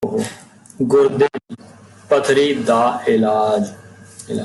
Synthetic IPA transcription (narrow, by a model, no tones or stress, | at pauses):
ɡʊɾd̪e | pət̪ʰɾiːd̪aːɪlaːd͡ʒ